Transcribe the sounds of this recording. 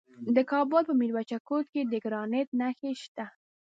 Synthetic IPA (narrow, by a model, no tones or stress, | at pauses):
d̪əkɑbʊlpəmiɾwat͡ʃakot̪ked̪əɡɾɑnet̪̚naxeʃt̪a